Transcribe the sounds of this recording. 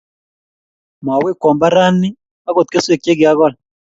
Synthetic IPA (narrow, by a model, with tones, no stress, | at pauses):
m˨a˨wi˦kɔ˨mba˦ɾa˦ni˦ | a˦ɣo˨t̪̚ke˦swe˨kje˦ɡɪ˨a˦ɣɔ˦l